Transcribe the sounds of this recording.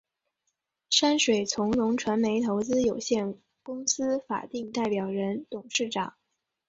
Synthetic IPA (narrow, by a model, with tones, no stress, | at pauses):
ʂa˥nʂwe˨˩ɪt͡sʰʊ˧˥ŋlʊ˧˥ŋʈ͡ʂʰwa˧˥nme˧˥ɪt̪ʰo˧˥ʊt͡sɹ̩˥jo˨˩ʊɕjɛ˥˩n | kʊ˥ŋsɹ̩˥fa̰˨˩t̪i˥˧ŋt̪a˥˩ɪpjɑ˨˩ʊɻə˧˥nt̪ʊ˨˩ŋʂɻ̩˥˩ʈ͡ʂɑ˨˩˦ŋ